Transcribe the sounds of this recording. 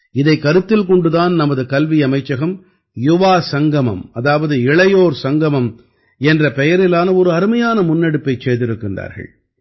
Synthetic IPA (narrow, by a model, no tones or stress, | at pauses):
ɪðɐɪkːɐɾɯt̪ːɪlkɔɳɖɯðaːnnɐmɐðɯkɐlʋiɐmɐɪt͡ʃːɐɣɐm | jʊʋaːsɐŋɡɐmɐ̰mɐðaːʋɐðɯɪɭɐjoːɾsɐŋɡɐmɐm | ɛndrɐpɛjɐɾɪlaːnɐɔɾɯɐɾɯmɐjaːnɐmʊnːɛɽɯpːɐɪt͡ʃːeːðɪɾɯkːɪndra̰ːɾɣɐ̰ɭ